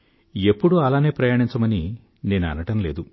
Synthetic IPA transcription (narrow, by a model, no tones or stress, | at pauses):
e̞pːuɽuɐlaːne̞ːpɾɐjaːɳiɲt͡ʃɐmɐni | ne̞ːnuɐ̰nɐʈɐmle̞ːd̪u